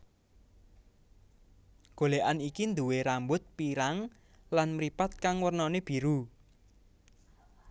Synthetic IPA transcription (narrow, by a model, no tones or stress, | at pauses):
ɡ̥o̤leʔanikind̪uweɾambʊt̪̚piɾaŋ | lanmɾipat̪̚kaŋwərnɔneb̥i̤ɾu